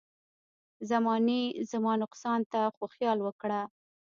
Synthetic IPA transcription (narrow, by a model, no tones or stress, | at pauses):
zamɑnizamɑnʊqsɑnt̪axoxjɑlwəkɽa